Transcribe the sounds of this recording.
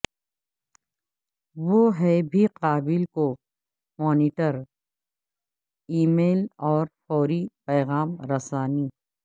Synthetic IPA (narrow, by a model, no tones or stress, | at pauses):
ʋoɦɛbʱiqaːbɪlko | mɔːniːʈəɾ | iːmeːlɔːɾfɔːɾipɛːɣaːmɾɐsaːni